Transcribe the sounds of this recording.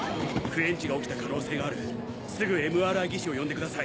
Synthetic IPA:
kɯ̟ẽ̞ɲ̟t͡ɕiɡao̞kʲi̥t̪akano̞ːse̞ːɡaːɾɯ̟ | sɨɡɯ̟e̞mɯ̟aɾɯaɡʲiɕio̞jõ̞nd̪e̞kɯ̟d̪asai

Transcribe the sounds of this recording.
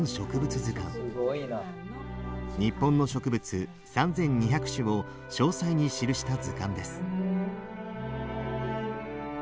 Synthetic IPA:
ɕo̞kɯ̟bɯ̟t͡sɨzɨkã̰ŋɡoina | ɲ̟ipːõ̞nːo̞ɕo̞kɯ̟bɯ̟t͡sɨ | sãnd͡zẽ̞ɲ̟ːiçakɯ̟̥ɕɨo̞ | ɕo̞ːsaiɲ̟iɕiɾɯ̟ɕi̥t̪azɨkãnd̪e̞sɨ̥

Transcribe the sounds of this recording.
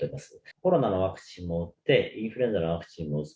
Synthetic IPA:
oimasɨ̥ko̞ɾo̞nano̞βakɯ̟̥t͡ɕĩmːo̞ɯt̪ːe̞ĩɰ̃ɸɯɾe̞nzaɾnoakɯ̟̥t͡ɕĩmmoɯ

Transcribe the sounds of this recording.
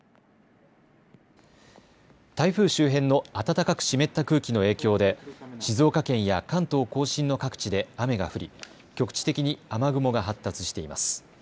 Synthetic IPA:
t̪aiɸɯ̟ːɕɨːɦẽ̞nːo̞at̪at̪akakɯ̟̥ɕime̞t̪ːakɯ̟ːkʲino̞e̞ːkʲo̞ːd̪e̞ɕizo̞ːkakẽ̞ɰ̃jakãnt̪o̞ːko̞ːɕĩnːo̞kakɯ̥t͡ɕid̪e̞ame̞ɡa̰ɸɯ̟ɾʲi | kʲo̞kɯ̥t͡ɕi̥t̪e̞kʲiɲ̟iamaɡɯ̟mo̞ɡaɦat̪ːat͡sɨ̥ɕi̥t̪e̞ima̰sɨ̥

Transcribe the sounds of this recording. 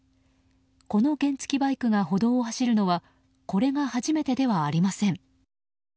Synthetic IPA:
ko̞no̞ɡẽ̞nt͡sɨ̥kʲibaikɯ̟ɡaɦo̞d̪o̞ːhaɕiɾɯ̟no̞βa | ko̞ɾe̞ŋahaʑime̞t̪e̞d̪e̞βaːɾʲimasẽ̞ŋ

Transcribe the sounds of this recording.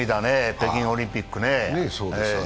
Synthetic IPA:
it̪anepekĩŋolʲĩmpikːɯnenesoːe

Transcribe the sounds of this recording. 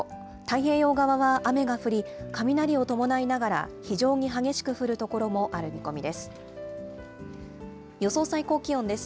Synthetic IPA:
t̪aiɦe̞ːjo̞ːɡaβaβaʔame̞ɡaɸɯ̟ɾʲikamʲinaɾʲiot̪o̞mo̞nainaɡaɾa̰çiʑo̞ːɲ̟iɦaɡe̞ɕi̥kɯ̟ɸɯ̟ɾɯ̟t̪o̞ko̞ɾo̞mo̞ʔaɾɯ̟mʲiko̞mʲid̪e̞sɨ̥ | jo̞so̞ːsaiko̞ːkʲiõ̞nd̪e̞sɨ̥

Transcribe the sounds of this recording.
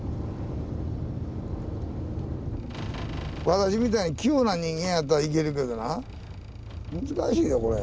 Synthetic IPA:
βat̪aɕ̬imʲit̪aiɲikʲioːnaɲĩŋɡẽ̞jat̪ːaɾaik̬e̞ɾɯ̟ke̞d̪o̞na | mɯ̟zɨkaɕiːjoko̞ɾḛ

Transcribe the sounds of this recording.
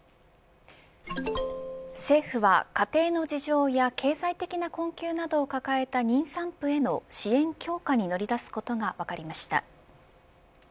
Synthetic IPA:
se̞ːɸɯ̟βa̰kat̪e̞ːno̞d͡ʑiʑo̞ːjakʰe̞ːzait̪e̞kʲinakõ̞ŋkʲɨːnad̪o̞ːkakae̞t̪aɲ̟ĩɰ̃sãmpɯ̟e̞no̞ɕiẽ̞ŋkʲo̞ːkaɲ̟ino̞ɾʲid̪asɨ̥ko̞t̪o̞ɡaβakaɾʲimaɕi̥t̪a̰

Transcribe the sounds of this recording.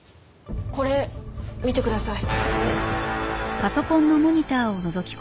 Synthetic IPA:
ko̞ɾe̞mʲit̪e̞kɯ̟d̪asai | paso̞kõ̞nːo̞mo̞ɲ̟it̪aːo̞no̞zo̞kʲi̥k

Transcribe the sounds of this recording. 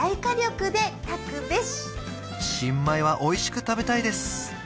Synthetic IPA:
aikaɾʲo̞kɯ̟d̪e̞t̪akɯ̟beɕi̥ | ɕĩmːaiβaʔo̞iɕi̥kɯ̟t̪abe̞t̪aid̪e̞sɨ̥

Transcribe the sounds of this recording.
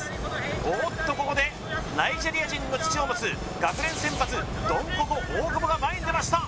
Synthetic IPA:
ot̪ːo̞ko̞kod̪e̞ | naid͡ʑe̞ɾʲijaʑĩnːo̞t͡ɕi̥t͡ɕioːmot͡sɨ | ɡ̥akɯ̟ɾẽ̞ɰ̃sẽ̞mpat͡sɨ | d̪õ̞ŋkokoʔoːɡɯboɡamaẽnd̪e̞maɕi̥t̪a

